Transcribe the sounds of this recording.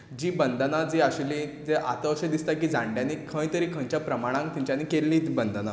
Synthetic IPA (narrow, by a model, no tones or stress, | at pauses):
d͡ʑiːbənd̪ʱənad͡ziaɕlid͡zeʔa̰t̪əɕəd̪ist̪ak̬iːd͡zãɳɖjãnikʰə̃j̃t̪əɾiːkʰə̃ɲt͡ɕjapɾəmaɽ̃ãŋk̚t̪iɲt͡ɕjanikelːiːt̪ibənd̪əna